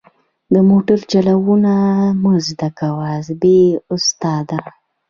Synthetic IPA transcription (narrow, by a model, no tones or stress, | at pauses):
d̪əmoʈəɾt͡ʃalawunamuzd̪akawazbeʊst̪ɑd̪a